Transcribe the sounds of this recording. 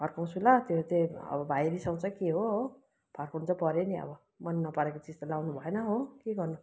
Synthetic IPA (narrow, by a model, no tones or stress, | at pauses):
bʰʱʌrkʰaw̃t͡sʰulʌt̪et̪eʌ̰bʌbʱajɾisʌw̃t͡sʰʌkeɦoɦo | pʰʌrkʰoũnt͡sʰʌpʌɾeniʌ̰bʌ | mʌnːʌpʌɾekot͡sid͡zt̪ʌlawnubʱʌenʌɦokeɡʌrnu